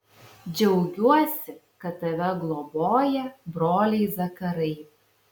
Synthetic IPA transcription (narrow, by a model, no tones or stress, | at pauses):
d͡ʒʲɛʊɡʲuɔsʲɪkɐt̪ːɐʋʲɛɡlˠoboːjɛbɾoːlʲɛɪzɐkɐɾɐɪ